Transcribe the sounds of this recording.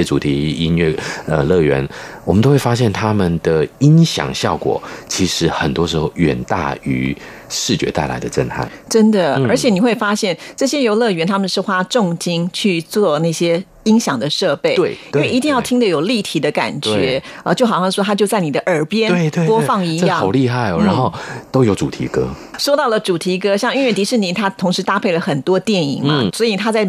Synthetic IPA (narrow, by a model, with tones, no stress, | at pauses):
ɛ˥ʈ͡ʂu˨˩t̪ʰi˨˦i˥nɥɛ˥˩ə˧lɤ˥˩ɥɛ̰˧˦nwɔ˨˩mə˦nt̪o˥ʊwe˥˩ɪfa˥ɕjɛ˥˩nt̪ʰa˥mə˨nd̪ə˩i˥nɕjɑ̰˨˩ŋɕjɑ˥˨˩ʊkwɔ̰˨˩t͡ɕʰi˧˥ʂɻ̩˧˥xə˨˩nt̪wɔ˥ʂɻ̩˧˥xo˥˩ʊɥɛ̰˨˩nt̪a̰˥˩y̰˧˥˦ | ʂɻ̩˥˩t͡ɕɥɛ̰˧˥t̪a˥˩ɪla̰˧˥ɪd̪ə˧ʈ͡ʂə̰˥˧ntʰa̰˥˩˦ʈ͡ʂə˦˥nd̪ə˨ə˞˧˥t͡ɕʰjɛ˨˦ni˨˩xwe˥˩ɪfa˥ɕjɛ˥˩nʈ͡ʂɤ˥˩ɕjɛ˥jo˧˥ʊlɤ˥˩ɥɛ˧˥nt̪ʰa˥mə˨nʂɻ̩˥˩xwa˥ʈ͡ʂʊ˥˨˧ŋt͡ɕi˥ŋt͡ɕʰy˥˧t͡swɔ˥˧na˥˩ɪɕjɛ˥ | i˥ŋɕjɑ˨˩ŋd̪ə˩ʂɤ˥˧pe˥˩ɪe˥˩ɪinwe˥˩ɪi˧t̪i˥˧ŋjɑ˥˩ʊt̪ʰi˥ŋd̪ə˨jo˨˩ʊli˥˩t̪ʰi˧˥d̪ə˧ka̰˨˩nt͡ɕɥɛ˧˦˥ə˧˦t͡ɕjo˥˩ʊxɑ˨˩ɕjɑ˥˧ŋʂwɔ˥˩t̪ʰa˥t͡ɕjo˥˧ʊt͡sa˥˩ni˨˩d̪ə˦ʔə˞˨˧˥pjɛ˥nwe˥˧we˧wɔ˥fɑ˥˧˩ŋi˧˥jɑ˥˨ŋo˨˩ʊli˥˧xa˥˩ɪɔ̰˨˩ɻa˧˦nxo˥˩ʊt̪o˥ʊjo˧˥ʈ͡ʂu˨˩t̪ʰḭ˧˥kɤ̰˥ | ʂo˥ʊt̪ɑ˥˩ʊlə˩ʈ͡ʂu˨˩t̪ʰi˧˥kɤ˥ɕjɑ˥˧ŋy˥˧nɥɛ˥˩nt̪i˧˥ʂɻ̩˥˩ni˧˥nt̪ʰa˥t̪ʰʊ˧˥ŋʂɻ̩˧˥t̪a˥pʰe˥˩ɪlə˩xə˨˩nt̪wɔ˥t̪jɛ˥˩nḭ˨˩ŋmɐ˦swɔ˧˥i˨˩t̪ʰa˥t͡sa˥˩ɪ